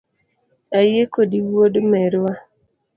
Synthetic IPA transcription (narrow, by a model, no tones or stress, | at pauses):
ajekodiwodmɛɾwa